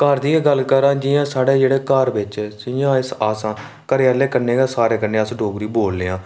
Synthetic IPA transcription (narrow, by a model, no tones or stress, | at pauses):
kaɾd̪iːeɡəlkəɾãːd͡ʒɪjãːsaːɽeːd͡ʒeːɽeːkaɾʋɪt͡ʃːsɪjãːɪsaːsãː | kəɾaːleːkəneːɡaːsaːɾeːkənẽːəsɖoːɡɾiːboːlːeːãː